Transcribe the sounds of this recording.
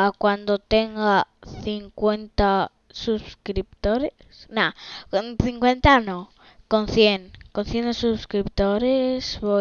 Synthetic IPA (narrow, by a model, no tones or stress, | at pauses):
akwand̪ot̪eŋɡaθiŋkwe̞nt̪a | suskɾip̚t̪oɾe | snaknθiŋkwent̪anõ | konθjeŋkonθjend̪suskɾipt̪oɾesβo